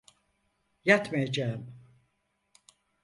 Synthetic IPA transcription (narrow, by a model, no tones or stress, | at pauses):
jat̪majad͡ʒaːɯm